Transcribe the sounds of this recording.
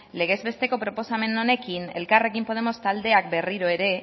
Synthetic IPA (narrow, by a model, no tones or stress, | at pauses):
le̞ɣ̞e̞zβe̞st̪e̞ko̞pɾo̞po̞same̞none̞kine̞lkare̞kimpo̞ð̞emo̞st̪ald̪e̞ak̚be̞riɾo̞e̞ɾe̞